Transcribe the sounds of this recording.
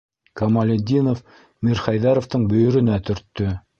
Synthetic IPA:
kɐmalʲɪd̪ʲinof | mʲirχajðɑɾoft̪ɤɴbɵ̆jɵ̆ɾɘ̆næt̪ɵ̆ɾt̪ːɵ

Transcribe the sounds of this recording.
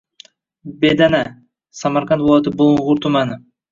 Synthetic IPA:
bed̪ana | samaɾqant̪volˠat̪ɪboɴʁʊɾt̪ʰʊmanɪ

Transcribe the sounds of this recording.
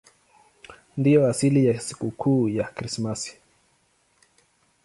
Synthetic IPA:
ndijɔasilijasi̥kukʰuːjakɾismasi̥

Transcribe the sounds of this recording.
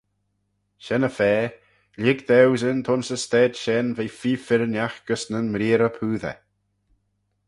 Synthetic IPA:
ʃɛnəfɛː | lɪɡd̪ɛwzɪnt̪ʰɔnsəst̪ɛːd̪ʃɛnvefiːfɪɾnʲjaxɡ̥əsnənmɾiːɾəpʰuːðɛ̰

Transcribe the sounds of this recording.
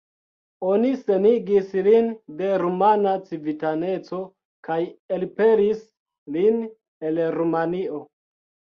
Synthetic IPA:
o̞nise̞niɡislinde̞ɾumanat͡sivitane̞t͡so̞ | kajelpe̞ɾis | lin | e̞lɾumanio̞

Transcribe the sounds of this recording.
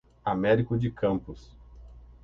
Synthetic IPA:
amɛɾikʊd͡ʒɪkʰɐ̃mpʊs

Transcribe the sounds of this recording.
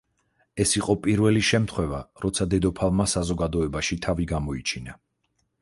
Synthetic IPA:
ɛsiqʼɔpʼiɾvɛliʃɛmt̪ʰχwɛvaɾɔt̪sʰad̪ɛd̪ɔpʰalˠmasazɔɡad̪ɔɛbaʃit̪ʰaviɡamɔit͡ʃʰina

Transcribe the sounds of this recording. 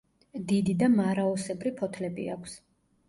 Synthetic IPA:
d̪id̪id̪amaɾaɔsɛbɾipʰɔt̪ʰlɛbḭa̰kʰs

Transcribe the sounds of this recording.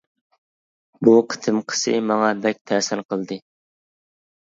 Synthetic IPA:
buqʰə̥t̪ʰɨmqʰə̥sɨ̰mɑŋɑbɛk̚ʲt̪ʰɛsɪnqʰəlˠd̪ɨ

